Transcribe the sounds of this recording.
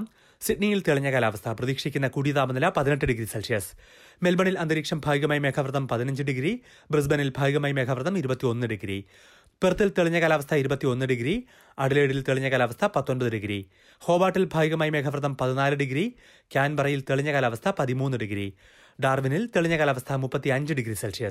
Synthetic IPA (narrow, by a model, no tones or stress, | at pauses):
m | siʈnijilt̪eɭiɲːɐkaːlaːʋɐst̪ʰɐprɐðiːkʂikʲːunːɐkuːɽijðaːbɐnːɐlɐpɐðineʈːɨɖiɡɾiselʂijɐs | me̞lbɐɳilɐnd̪ɐɾiːkʂɐmbʱaːʋiɣɐmaːjime̞ːkʰɐʋrɐðɐmpɐðinɐɲd͡ʑɨɖiɡɾi | brɨs̬bɐnilbʱaːʋiɣɐmaːjme̞ːkʰɐʋrɐðɐmiɾubɐt̪ːio̞nːɨɖiɡɾḭ | perɐt̪ːilt̪eɭiɲːɐɣaːlaːʋɐst̪ʰɐiɾubɐt̪ːio̞nːɨɖiɡɾi | ɐɽile̞ːɽilt̪eɭiɲːɐɣaːlɐʋɐst̪ʰɐpɐt̪ːo̞nbɐðɨɖiɡɾḭ | ho̞ːbaːʈːilbʱaːʋiɣɐmaːjime̞ːkʰɐʋrɐðɐmpɐðinaːlɨɖiɡɾi | kʲaːnbɐrɐjilt̪eɭiɲːɐɣaːlɐʋɐst̪ʰɐpɐðimuːnːɨɖiɡɾḭ | ɖaːrʋinilt̪eɭiɲːɐkɣaːlɐʋɐst̪ʰɐmupːɐt̪ːiɐɲd͡ʑɨɖiɡɾiselʂijɐ